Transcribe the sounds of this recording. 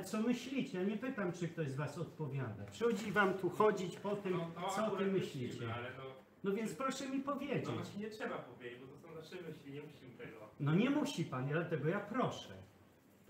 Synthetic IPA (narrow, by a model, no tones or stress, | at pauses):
t̪sɔmɘɕlʲit͡ɕɛjaɲɛpɘt̪amt͡ʂɨk̚t̪ɔʑzvasɔt̪̚pɔvʲjad̪apʂɨxɔd͡ʑivamt̪uxɔd͡ʑit͡ɕpɔt̪ɘmsɔɔt̪ɪmːɘɕlʲit͡ɕɛ | nɔvʲjɛnt̪spɾɔʂɛmʲipɔvʲjed͡ʑḛat͡ɕɲɛtʂɛbapɔvʲjed͡ʑed͡ʑbɔt̪ɔsɔ̃w̃naʂɛmɘɕlʲiɲɛmuɕimt̪ɛɡɔnɔɲɛmuɕipand̪lat̪ɛɡɔjapɾɔʂɛ̰